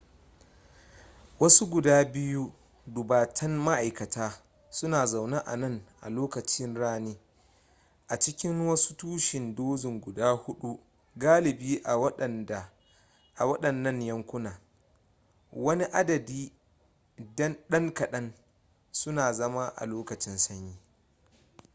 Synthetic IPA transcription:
wɐ˦su˦ɡʷʊ˨daː˦bɪ˦ju˦ | dʊ˨baː˨tʰɐ˦nma˦ʔa˨jkɐ˨taː˦ | sʊ˦naː˨za˨wna˦ʔa̰˨nɐ˦˨ŋʔa̰˨loː˦kɐ˨t͡ʃɪ˦nɽaː˦niː˦ | ʔa˨t͡ʃɪ˦kʲɪ˦ŋwɐ˦su̥˦tuː˦ʃɪ˨ndoː˦zɪ˨ŋɡʷʊ˨daː˦hʊ˦ɗu˦ | ɡaː˦lɪ˨biː˦ʔa˨wɐ˦˨ | ʔa˨wɐ˦ɗɐ˨nːɐ˦ɲjɐ˦ŋkʷʊ˦naː˨ | wɐ˦ni˦ʔa˦dɐ˨diː˦ | ɗɐ˦ŋkɐ˨ɗɐ˦n | sʊ˦naː˨zɐ˦ma˦ʔa̰˨loː˦kɐ˨t͡ʃɪ˦nsɐ˦ɲjiː˦

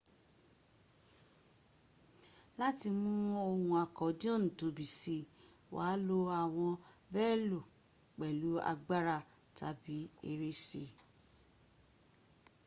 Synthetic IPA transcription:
la˦ti˧mũ˦o˧hũ˧a˨kɔ˨˦dĩ˦o˦˨nũ˨to˨˦bi˨si˧˨ | wa̰ː˨˦lo˧a˨w̃ɔ̃˧bɛː˦˨lo˨ | k͡pɛ˨lu˨˦a̰˧ɡ͡ba˦ɾa˦˨ | tʰa̰˨˦bi˨˦e˧ɾe˦se˧˨

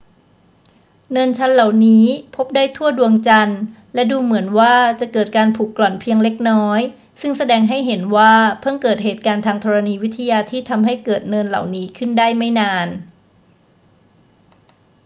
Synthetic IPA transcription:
nɤː˧nt͡ɕʰa˦˥nla˨˩wniː˦˥pʰo˦˥p̚daː˥˩jt̪ʰu˥˩ədu˧əŋt͡ɕa˧n | lɛ˦˥duː˧mɯ˩˦ənwaː˥˩t͡ɕa˨˩kɤː˨˩t̪̚kaː˧npʰuː˨˩kːlɔ˨˩npʰi˧əŋle˦˥k̚nɔː˦˥j | sɯ˥˩ŋsa˧dɛː˧ŋɦa˥˩jɦe˩˦nwaː˥˩pʰɤ˥˩ŋkɤː˨˩t̪̚ɦeː˨˩t̪̚kaː˧nt̪ʰaː˧ŋt̪ʰɔ˧ɾa˧niː˧wi˦˥t̪ʰːa˧jaː˧t̪ʰiː˥˩t̪ʰa˧mɦa˥˩jkɤː˨˩t̪̚nɤː˧nla̰˨˩wniː˦˥kʰɯ˥˩ndaː˥˩jma˥˩jnaː˧n

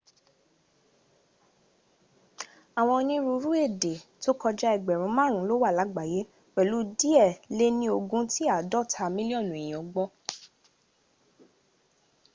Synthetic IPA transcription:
a˨w̃ɔ̃˧nĩ˧ɾu˧ɾu˦e˦˨de˨to˦kɔ˧d͡ʒa˦ɛ˨ɡ͡bɛ˨ɾ̃ũ˧˦mãː˦˨ɾ̃ũ˨˦lo˦wa˦˨la˨˦ɡ͡ba˨je˨˦ | wɛ˨lu˨˦di˦ɛ˦˨le˦nĩ˧˦o˧ɡũ˧˦ti˦a˦˨dɔ˦˨tʰa˧mĩ˦li˦ɔ˦˨nũ˨ĩ˨j̃ɔ̃˨˦ɡ͡bɔ˦

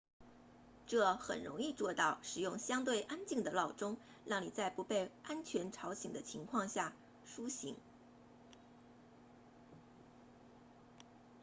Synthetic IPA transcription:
ʈ͡ʂɤ˥˩xə̰˨˩nɻʊ̰˧˥ŋi˥˧t͡swɔ˥˧t̪ɑ˥˩ʊʂɻ̩˨˩jʊ˥˩ŋɕjɑ˥ŋt̪̬we˥˩ɪʔa˥nt͡ɕi˥˩ŋd̪ə˩lɑ˥˩ʊʈ͡ʂʊ˥ŋ | ɻɑ˥˩ŋni˨˩t͡sa˥˩ɪpu˧˥pe˥˩ɪʔa˥nt͡ɕʰɥɛ˧˥nʈ͡ʂʰɑ˧˥ʊɕi˨˩ŋd̪ə˦t͡ɕʰi˧˥ŋkʰwɑ˥˧ŋɕja˥˩ | ʂu˥ɕḭ˧˥ŋ

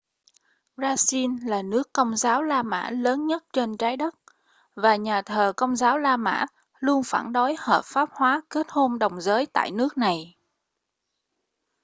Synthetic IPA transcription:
zaː˧si˧nlaː˨˩nɨ˦˥əkːə˧wŋ͡mzaː˨˦wlaː˧ma̰ː˧˥ləː˨˦nɲə˦˥t̚t͡ɕe˧nt͡ɕaː˨˦jɗə˦˥t̚ | vaː˨˩ɲaː˨˩t̪ʰəː˨˩kə˧wŋ͡mzaː˨˦wlaː˧ma̰ː˧˥ | lu˧ənfaː˧˩nɗo˨˦jhəː˨˩p̚faː˦˥p̚hwaː˨˦ke˦˥t̚ho˧nɗə˨˩wŋ͡mzəː˨˦jt̪a̰ː˧˨jnɨ˦˥ək̚na˨˩j

